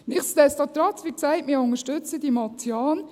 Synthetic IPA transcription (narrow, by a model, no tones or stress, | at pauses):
nɪχsd̪ɛstɑt̪ɾɑt͡sʋiksæɪtmiːʊŋəʃtʉt͡səd̥imɑt̪t͡sjɑːn